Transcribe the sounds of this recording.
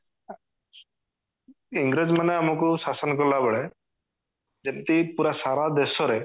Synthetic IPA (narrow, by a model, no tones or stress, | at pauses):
iŋɡɾed͡ʒmaneamɔkusasɔnkɔlabɭe | d͡ʒent̪ipuɾasaɾad̪esɔɾe